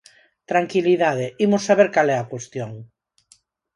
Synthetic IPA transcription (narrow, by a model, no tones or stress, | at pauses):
t̪ɾaŋkiliðað̞eimosaβ̞eɾkalɛakwest̪joŋ